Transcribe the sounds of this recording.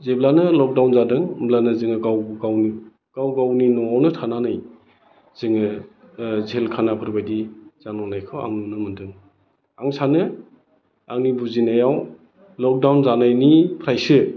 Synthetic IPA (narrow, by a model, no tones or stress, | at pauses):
zeblanɯlɔk̚dawnzadɯŋmblanɯzɯŋɯɡawɡawni | ɡ̥awɡawninɔŋawnɯtʰananɯj | z̥ɯŋɯ | zelkʰanapʰɯɾbajdiz̥anɔnajkʰɯa̰ŋnɯnɯmɯndɯŋ | aŋsanɯ | aŋnibuzinajaw | lɔk̚dawnzanajnipʰɾajsɯ